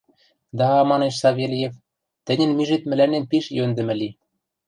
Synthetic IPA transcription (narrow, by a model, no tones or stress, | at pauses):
d̪ɑɑmɑneʃsɑβʲelʲijef | t̪ɘ̆nʲɘ̆nmiʒet̪mɘ̆lænenpiʃjønd̪ɘ̆mɘ̆li